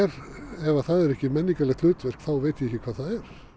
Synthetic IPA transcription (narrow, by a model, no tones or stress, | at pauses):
ɛɾɛvaθaðɛɾɛhcɪmɛnːiŋkalɛɣt̪lʏːt̪vɛr̥kθawveːt̪ɪɛhcːɪkʰvaːðθaðɛɾ̥